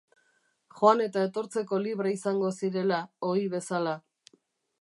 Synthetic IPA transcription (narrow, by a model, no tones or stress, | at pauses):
xo̞ane̞t̪ae̞t̪o̞ɾt͡se̞ko̞liβ̞ɾaisaŋɡo̞siɾe̞lao̞iβe̞sala